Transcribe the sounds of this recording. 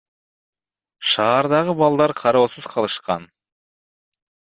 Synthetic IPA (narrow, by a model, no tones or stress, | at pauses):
ʃɑːɾd̪ɑʁɯbɑlˠd̪ɑɾqʰɑɾo̞ːsuz̥qʰɑlˠɯʃqɑ̰n